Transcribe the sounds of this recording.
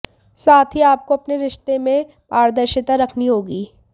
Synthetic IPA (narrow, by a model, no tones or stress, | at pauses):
saːt̪ʰiaːp̚koɐpneɾɪʃt̪emẽ | paːɾd̪əɾʃɪt̪aɾɐkʰniɦoːɡiː